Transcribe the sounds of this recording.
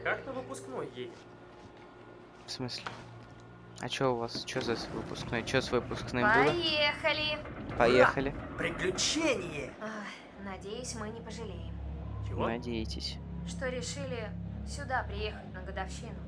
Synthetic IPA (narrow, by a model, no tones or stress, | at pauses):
kaknəvɨpʊsknojːedʲɪ | fsmɨsʲlʲɪ | ɐ̰t͡ɕoʊvast͡ɕozasʲvɨpʊsknojt͡ɕosvɨpʊsknɨpɐuljexəlʲɪpɐjexəlʲɪpɾʲɪklʲʊt͡ɕenʲɪjɪ | a | nɐdʲejʊsʲmɨnʲɪpəʐɨlʲejɪmt͡ʃɪnɐdʲejɪtʲɪsʲʂt̪oɾʲɪʂɨlʲɪsʲʊd̪apɾʲɪje̞xətʲnəɡəd̪ɐfɕinʊ